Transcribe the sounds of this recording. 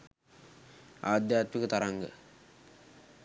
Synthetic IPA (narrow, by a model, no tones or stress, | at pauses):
aːd̪jaːt̪mikət̪aɾaŋɡə̰